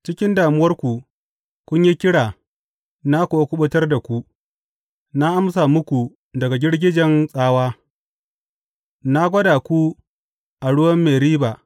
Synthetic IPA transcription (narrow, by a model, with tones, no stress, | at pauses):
t͡ʃɪ˦kʲɪ˦ndaː˨mʊ˦wɐ˦rkʷu˨ | kʷʊ˦ɲji˦kʲɪ˦ɽaː˨ | na˦kʷoː˨kʷʊ˦ɓʊ˦tɐ˦rda˨kʷu˦ | na˦ʔa˦msaː˨mʊ˦kʷu˨ | dɐ˨ɡa˨ɡʲɪ˦ɽɡʲɪ˦d͡ʒɛ˨nsʼaː˦waː˦ | na˦ɡʷɐ˦daː˨kʷu˦ | ʔa˨ɽʊ˦wɐ˦mːeː˨ɾiː˦ba˨